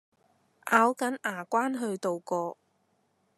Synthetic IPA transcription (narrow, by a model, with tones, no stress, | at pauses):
ʔaː˨˥wkɐ˨˥nʔaː˨˩kʷaː˥nɦɵ˧ɥt̪o˨wkɔː˧